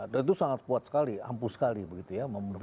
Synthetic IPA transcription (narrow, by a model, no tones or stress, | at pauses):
danit̪usaŋat̪̚buat̪sə̥kalia̰mpusə̥kalibəɡit̪ujaməm